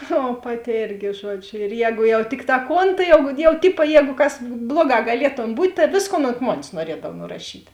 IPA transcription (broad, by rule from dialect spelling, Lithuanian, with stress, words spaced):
oː ˈpɑːˌtʲɪ ˈeːrʲɡʲɪ ˈʒuɔˌd͡ʒʲʊ ɪr ˈjɛːɡʊ jɛʊ ˈtʲɪkˌtɑː ˈkoːn tɐɪ jɛʊ jɛʊ ˈtʲɪpɐ ˈjɛːɡʊ kɐs ˈblˠuɔˌɡɑː ɡɐˈlʲiɛtoːm ˈbuːtʲ tɐ ˈʋʲeːsˌkoːn oːnt ˈmoːnʲeːs nuɔˈrʲiɛdɐw nʊrɐˈʃʲiːtʲ